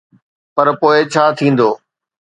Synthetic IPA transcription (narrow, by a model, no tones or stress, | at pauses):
pɐɾpoːɪt͡ɕʰaːt̪ʰĩːn̆d̪oː